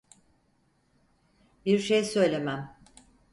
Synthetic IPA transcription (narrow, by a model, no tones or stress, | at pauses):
biɾʃejsø̞jlʲe̞mæm